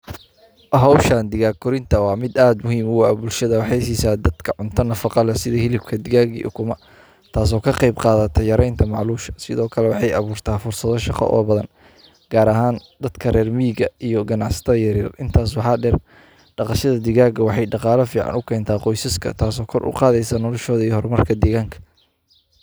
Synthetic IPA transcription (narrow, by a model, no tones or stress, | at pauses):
ɦɔwʃand̪ɪɣaːɡʊɾɪnt̪ʰɐwɑːmɪd̪aːd̪mʊɦiːmʊwaːbʊlʃɐðɐwɑħɑjs̬iːsaːd̪ɐd̪kʰɐʕʊnt̪ʰɐnɐfɑqɑlɐsɪðɐhɪlɪb̚kʰɐd̪ɪɣaːɡḭʔʊ̰kʰʊmɐ | t̪ʰaːs̬ɔːkʰɐqejbqɑːðɐt̪ʰɔjɐɾɛjnt̪ʰɐmɑʕluːʃɐ̥sɪðɔːkʰɐlɛwɑħɑjɑ̰βuːrt̪ʰaːfʊrsɐðɔʃɑqɐ̰ʔɔ̰ːbɐðɐn | ɡ̥aːɾɐɦaːnd̪ɐd̪̥kʰɐrɛːrmiːɡɐijɔɡɐnɑʕsɐ̥t̪ʰɐjɐɾiːrʔɪnt̪ʰaːs̬wɑħɑːɖɛr | ɖɑqɑʃɐðɐd̪ɪɣaːɡɐwɑħɑjɖɑqɑːlɐfiːʕɑ̰nʊkʰɛːnt̪ʰaːqɔjsɐskʰɐ̰t̪ʰaːs̬ɔːkʰɔrʔʊ̰qɑːðɛjsɐnɔlɔʃɔːðɐiːhɔrmɐrkʰɐd̪ɛːɣaːŋkʰɐ̥